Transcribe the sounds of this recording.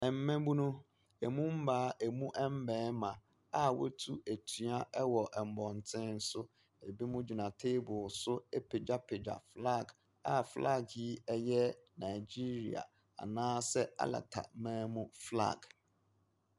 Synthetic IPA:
ɛ˨m̩˦mɛ̃˦bu˦nũ˦ | ɛ˨mũ˦m̩˦baː˨˦ʔɛ˨mũ˦ʔɛ˦m̩˦bɛ̃ː˨˦mã˨ | a˨wɔ̰˦tʰu˦æ˨tʰy˨˦a˦ʔɛ˦wɔ˨ʔɛ˨m̩˨bɔ̃˨n˨tʰɪ̃˦n̩˦sʊ˦ | e˨bi˦mʊ̃˦d͡ʑu˨nã˨tʰe˦bʊ˨sʊ˦ɛ˦pʰe˨d͡ʑa˦pʰɪ˨d͡ʑa̰˨fla˦˨ɡ | a˨flʔa̰˦˨ɡi˦ɛ˦jɛ˦nã˨d͡ʑi˦ɾḭ˨a̰˨ | a̰˨nãː˦sɛ˦a̰˦la̰˨tʰa̰˨mæ̃ː˦mʊ̃˦fla̰˦˨ɡ

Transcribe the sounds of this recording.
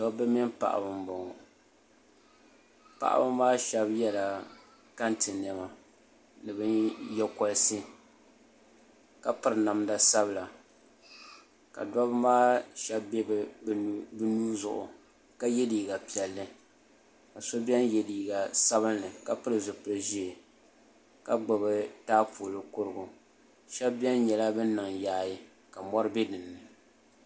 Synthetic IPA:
dɔ˦bɛ˦mi˦npa̰˨ʔa̰˨bɨ˨m˦bo˨ŋɔ˨ | pa̰˨ʔa̰˦bɨ˦maː˦ʃɛ˦bjɛ˦la˨ | ka˦ntɨ˨n˨ɛ˨ma˨ | nɨ˨bɨ˦njɛ˦kɔ˦lsɨ˦ | ka˨pɨ˦ɾɨ˨na˨mda˨sa˦bɨ˨la˨ | ka̰˨dwa˦bɨ˦maː˦ʃɛ˦bbɛ˦b | bɨ˦nuː˦zʊ̰˨ʔʊ̰˨ | ka˦jɛ˦diː˨ɡa˨pi˨ɛ˨lːɨ˦ | ka˨so˦bi˦ɛ˦njɛ˨diː˨ɡa˨sa˦βɨ˦nːɨ˨ka˦pɨ˦ɾɨ˨zʊ˨pɨ˨ɾɨ˨ʒi˦˨ | ka˦ɡ͡bɨ˨bɨ˨taː˦pʰuː˨lɨ˨kʊ˦ɾɨ˦ɡʊ˨ | ʃɛ˦bbjɛ˦nɲɛ˨la˦bɨ˦nɨ˨ŋjaː˦ji˦ | ka˨mɔ˦ɾɨ˦bɛ˦dɨ˨nːɨ˨

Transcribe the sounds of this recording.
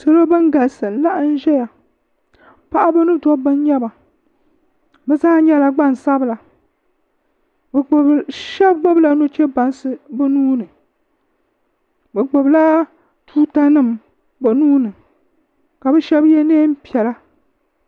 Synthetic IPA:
so˨lo˦bɨ˦ŋ˦ɡa˨lsɨ˨˦la˦ʔn̩˦ʒɛ˦ja˨ | pa˦ʔa˦bɨ˦nɨ˦tɔ˦bɨ˦n˦ɲɛ˦ba˨ | bɛ˨zaː˦ɲɛ˦la˨ɡ͡ba˦˨n˨sa˦bɨ˨la˨ | bʃɛ˦b̚ɡ͡bo˦bla˦no˦t͡ʃɛ˦ba˨n˦sɨ˦bɨ˦nuː˦nɨ˨ | bɨ˨ɡ͡bo˨bla˦ | tuː˦ta˦nɨ˦˨m | bɨ˨nuː˦nɨ˨ | ka˨bɛ˦ʃɛ˦bjɛ˦neː˦m̩˦pi˨ɛ˨la˦

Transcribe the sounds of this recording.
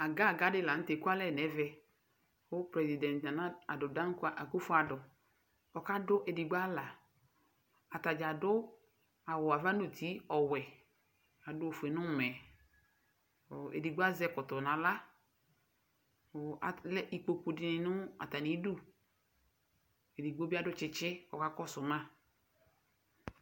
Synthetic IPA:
a˨ɡa˦˨ɡa˨˦dɪ˦la˨n̩˦te˨˦ku˦a˦lɛ˦˨nɛ˨˦vɛ˧ | ʊ˦pɾɛ˨zi˨dɛ̃˨ntnã˨na˦a˨dʊ˨da˦ŋ˦kʊ˦a˦˨ʔa˨ko˦fʊ˦a˨dʊ˨ | ɔ˨ka˦dʊ˦ʔe˨di˨ɡ͡ba˦la˨ | a˨ta˨d͡ʒa˨dʊ˦ | a˨wʊ˨a˨va˦nu˨ti˦ɔ˨wɛ˨ | a˨dʊ˦o˨fɛ˨nʊ˦˨mɛ˨ | ḛ˨di˨ɡ͡ba˦zɛ˦kɔ˨tʊ˨na˨la˦˨ | a˨lɛ˦ʔi˨k͡po˨ku˨dɪ˨nɪ˨nʊ˦a̰˨ta˨ni˨˦du˦˨ | e˨di˨ɡ͡bo˦bi˦a˦dʊ˦t͡ʃɪ˦t͡ʃɪ˦ɔ˨ka˦kɔ˦sʊ˨mã˦˨

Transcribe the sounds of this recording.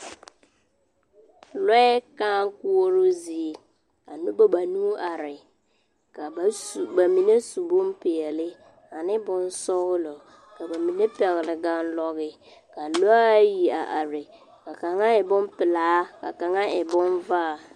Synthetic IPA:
lɔ˦ɛ˦kaː˦ŋ˦ku˦o˦ɾo˦zi˨ | a̰˨nʊ˦ba˦ba˨nu˦a˨ɾɪ˨ | ka˨ba˨mi˨ne˦su˨bo˦m˦pɪ˨ɛ˨lɪ˦ | a˨nɪ˦bʊ˦n˦sɔ˦ɣlɔ˨ | ka˨ba˨mi˨ne˦pɛ˨ɣlɪ˨ɡa˦n˦lɔ˦ɣɪ˨ | ka˨lo˦a˦ji˨a̰˨ʔa˨ɾɪ˨ | ka˨ka˨ŋa˦ɛ˨bʊ˦mpɪ˨laː˨˦ka̰˨ka˨ŋa˦ɛ˨bʊ˦nvaː˦˨

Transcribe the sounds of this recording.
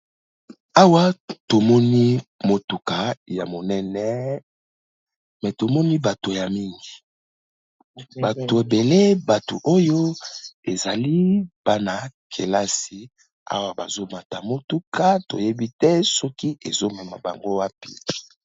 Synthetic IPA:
a˦wa˦to˨mɔ˦ni˦mo˨tu˨ka˨ja̰˨mo˨nɛ˦nɛ˦ | mɛ˨to˨mɔ˦ni˦ba˨to˨ja˨mi˦ŋɡi˨ | ba˨to˨e˨be˨le˦ba˨to̰˨ʔo˦jo˦e˨za˨li˦b̥a˦na˨kʰe˨la˦si˦ | a̰˦wa˨ba̰˨zo˦ma˨ta˨mo˦tu˦ka˦to̰˨je˦bi˦tɛ˦sɔ˦ki˦e˨zo˦mɛ˨ma̰˨ba̰˨ŋɡo˦wa˦pḭ˦

